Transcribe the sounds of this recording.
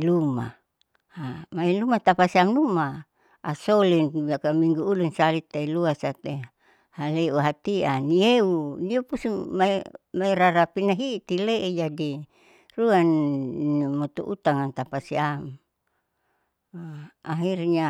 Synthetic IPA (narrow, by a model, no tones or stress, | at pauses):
luma̰ | amailumat̪apasiamnuma | asolinakamiŋɡuːlunsalit̪ːailuasat̪e | haleuɦat̪ianieuniopusumaimaiɾaɾapinaɦit̪ileʔed͡ʒadi | ruanimot̪ṵʔut̪aŋant̪apasiam | aɦirɲa